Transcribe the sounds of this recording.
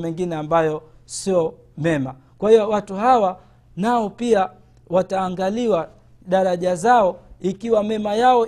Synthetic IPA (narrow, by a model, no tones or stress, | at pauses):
mɛŋɡinɛambajɔsiɔ | mɛma | kwahijɔwatuɦawa | naɔpia | wataːŋɡaliwa | ɗaɾaʄazaɔikiwamɛmajaɔ